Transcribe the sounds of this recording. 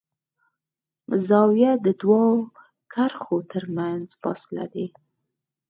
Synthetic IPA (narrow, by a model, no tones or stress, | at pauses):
zɑwjad̪əd̪wɑo | kʰaɾxot̪əɾmanzfɑ̰sɪla̰d̪e